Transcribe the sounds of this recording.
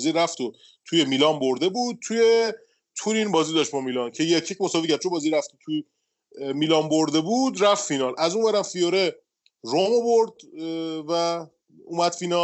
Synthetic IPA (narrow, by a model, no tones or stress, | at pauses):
ziɾæft̪o | t̪ʰujemilɒːnboɾd̪e̞buːd̪̚t̪ʰuje̞ | t̪ʰuɾinbɒːzid̪ɒʃt̪bɒmilɒncʰe̞jecʰːicmosɒːvicʰæɾd̪̚t͡ʃʰonbɒːziɾæft̪ot̪ʰu | miːlɒːnboɾd̪e̞buːd̪ɾæffinɒlʔæzuːnvæɾæmfijoɾe | ɾomovoɾd̪væ | ṵːmæd̪̥fiːnɒ